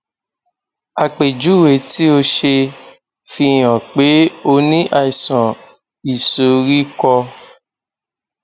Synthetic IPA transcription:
a˧˨k͡pe˨d͡ʒu˨˦˨we˨ti˦o˧ʃe˧ | fi˧˨j̃ã˨k͡pe˨˦o˧nĩ˦ʔa˧˨i˨sã˨ | i˨so˨˦ɾi˦kɔ˧

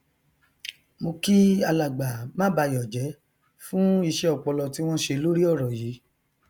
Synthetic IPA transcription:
mo˧ki˦a˧la˨ɡ͡ba˨mã˦ba˧jɔ˨d͡ʒɛ˨˦ | fũ˦i˧ʃɛ˦ɔ˧˨k͡pɔ˧lɔ˧ti˦w̃ɔ̃˦ʃe˧lo˦ɾi˦ɔ˦˨ɾɔ˨ji˨˦

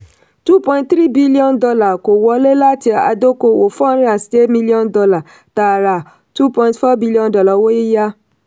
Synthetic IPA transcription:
tu˦pɔ̃˧ĩ˦tt̪ɾi˦bi˦li˦ɔ̃˦ndɔ˧la˨ko˨wɔ˨˧le˦la˦ti˦a̰˧˨do˦ko˧wo˨fɔ̃˦n˦ɾã˨ste˦mĩ˦li˦ɔ̃˦ndɔ˧˦la˨ | ta˨ɾa˨ | tu˦pɔ̃˧ĩ˦tfɔ˦bi˦li˦ɔ̃˦ndɔ˨lɔ˨wo˦ji˦ja˦

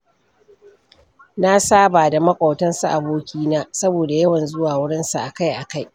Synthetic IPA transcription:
na˦saː˦baː˨da˨mɐ˦kʷʼɐ˨wtɐ˦nsu˨ʔa˨boː˦kʲiː˦naː˦sɐ˦boː˨da˨jɐ˦wɐ˨nzʊ˦waː˨wʊ˦ɽɪ˦nsa˨ʔa˨ka˦jʔa˨ka˦j

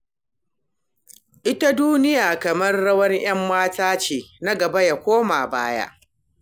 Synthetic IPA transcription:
ʔɪ˦ta˦duː˦nɪ˦jaː˨kɐ˨mɐ˦rːɐ˦wɐ˦rj̰ɐ˦mːaː˦taː˦t͡ʃeː˨na˦ɡɐ˨bɐ˦ja˨kʷoː˦maː˨baː˦ja̰˦ʔ

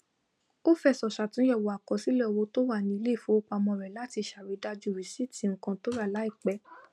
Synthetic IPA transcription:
o˦fɛ˦˨sɔ˨ʃa˨tũ˨˦jɛ˦˨wo˨a˨kɔ˨si˨˦lɛ˦˨wo˧˦to˦wa˦˨nĩ˧i˧le˦˨fõ˨˦o˦k͡pa˧mɔ̃˧˨ɾɛ˨la˨˦ti˧˨ʃa˨ɾi˨˧˦da˧d͡ʒu˦˨ɾi˨si˦˨ti˨ŋ̩˨˦kã˧to˦ɾa˦˨la˨˦i˦˨k͡pɛ˨˦

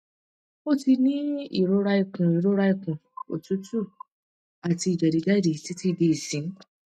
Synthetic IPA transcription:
o˦ti˧nĩ˦ḭ˦˨ɾo˨˦ɾa˧i˧˨kũ˨i˨ɾo˨˦ɾa˧i˧˨kũ˨o̰˨tu˨˦tu˦˨ | a˨ti˧i˨d͡ʒɛ˨ɾi˨d͡ʒa˦˨de˨ti˨˦ti˦˧˨de˧i˨sĩ˨˦

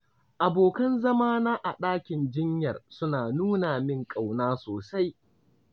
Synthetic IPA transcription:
ʔa˨boː˨kɐ˦nzɐ˦maː˦naː˦ʔa˨ɗaː˦kʲɪ˨nd͡ʒɪ˦ɲjɐ˨rsʊ˦naː˨nuː˦naː˨mɪ˦ŋkʼa˨wnaː˦soː˨sa˦j

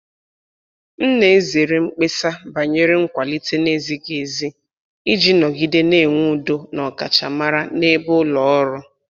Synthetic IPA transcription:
n̩˦ne˨˦ze˨ɾe˨ŋ͡m̩˦k͡pe˦sa˦ba˨ɲe˦ɾɪ˦ŋ̩˦kʷa˨li˦te˦ne˦zi˦ɡe˨zi˦ | i˦d͡ʒi˦nɔ˨ɡi˦de˦ne˦˨ŋʷu˦˨do˦nɔ˨ka̰˨t͡ʃa˨ma˦ɾa˦ne˦bʊ˦lɔ˨ɔ˦ɾʊ˦

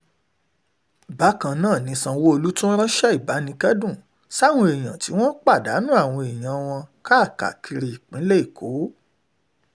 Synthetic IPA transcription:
ba˨˦kã˧nãː˦˨nĩ˨˦sã˧wo˦o˧lu˦tũ˦ɾ̃ã˦ʃɛ˦i˦˨ba˨˦nĩ˧kɛ˦dũ˦˨ | sa˦˨w̃ɔ̃˧e˨j̃ã̰˨ti˨˦w̃ɔ̃˦k͡pa˦˨da˨˦nũ˦a˦˨w̃ɔ̃˧e˨j̃ã˨˧˦w̃ɔ̃˧ka˦˨ka̰˨ki˧ɾi˨i˨k͡pĩ˨˦le˦i˦˨kʰo˨˦

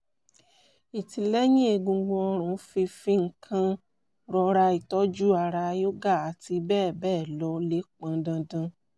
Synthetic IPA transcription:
i˨ti˨lɛ˦j̃ĩ˦e˧˨ɡũ˧ɡ͡bõ˧ɔ˧ɾ̃ũ˨˧˦fi˧fĩ˦ŋ̩˨kʰã˧ | ɾɔ˧ɾa˧i˨tɔ˦d͡ʒu˦a˧˨ɾa˧jo˦ɡa˦˨a˨˦ti˧bɛː˦˨bɛː˦˨lɔ˨˧le˨˦k͡pã˧dã˧dã˧

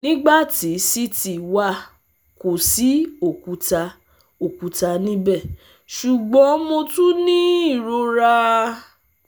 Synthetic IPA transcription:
nĩ˦ɡ͡ba˦˨ti˨˦si˦ti˨wa˦˨ | ko˨si˨˦o˦˨ku˧˦ta˧ | o˨ku˧˦ta˧nĩ˦bɛ˦˨ | ʃu˨ɡ͡bɔ̃˨˦mo˧tũ˦nĩ˦i˦˨ɾo˧ɾa˧

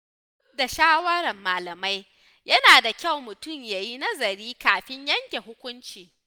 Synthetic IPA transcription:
ʊ˦da˨ʃaː˦wɐ˦ɾɐ˨mːaː˨lɐ˨ma˦j | jɐ˦naː˨da˨kʲa˦˨wmʊ˨tʊ˦˨mjaː˨ji˦nɐ˦zɐ˨ɾiː˦kaː˨ɸɪ˦ɲjɐ˦ŋkʲe˨ɦʊ˦kʷʊ˦nt͡ʃiː˨

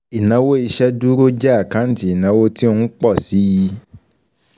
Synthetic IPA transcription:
i˨nã˨˦wo˦i˧ʃɛ˦du˦ɾo˦d͡ʒa˦a˦˨kã˨˦n̩˦˨ti˨˦i˦˨nã˨˧wo˦ti˦o˧˦k͡pɔ˦˨si˨˦ji˧

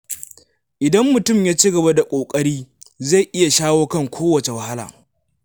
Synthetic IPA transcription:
ʔɪ˨dɐ˦mːʊ˨tʊ˦˨mjaː˦t͡ʃiː˦ɡɐ˨ba˦da˨kʷʼoː˨kʼɐ˦ɽiː˦za˦˨jʔɪ˦ja˨ʃaː˦woː˦kɐ˦ŋkʷʰoː˦wɐ˨t͡ʃe˨wɐ˨ha˦la̰ː˨

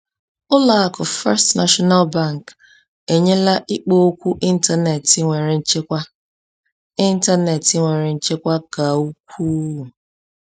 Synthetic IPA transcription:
ʊ˦la˦˨a˦kʊ˨fɛ˦stna˦ʃɔ˦na˦lba˦˨ŋ˨k | e˨ɲe˦la˦ʔi˦k͡po˦kʷu˦ʔi˦n̩˦ta˦ne˨ti˦ŋʷe˨ɾe˨n̩˦t͡ʃe˦kʷa˦ | ɪ˦n̩˦ta˦ne˨ti˦ŋʷe˨ɾe˨n̩˦t͡ʃe˦kʷa˦ka˨u˦k̚ʷʰuː˦u˨

